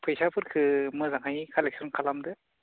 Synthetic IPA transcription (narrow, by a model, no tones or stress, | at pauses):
pʰɯjsapʰɯɾkʰɯmɯzaŋɦajkʰalek̚sɔnkʰalamdɯ